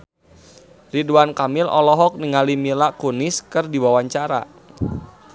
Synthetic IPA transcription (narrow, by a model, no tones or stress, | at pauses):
riduankamɪlɔ̰lɔɦɔk̚niŋalimilakunɪskɨrdiwawaɲt͡ʃaɾa̰